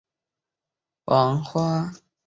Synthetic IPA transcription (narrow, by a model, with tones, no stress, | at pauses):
wʔɑ˨˦ŋxwa˦˥